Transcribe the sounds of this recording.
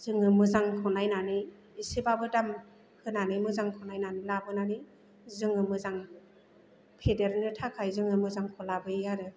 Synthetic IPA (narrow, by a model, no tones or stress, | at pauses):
z̥ɯŋɯmɯzaŋkʰɔnajnaniː | sibabɯdam | hɯnanɯmɯzaŋkʰɔnajnanilabɯnani | zɯŋɯmɯzaŋ | pʰedeɾnɯtʰakʰajzɯŋɯmɯzaŋkʰɔlabɯjaɾɯ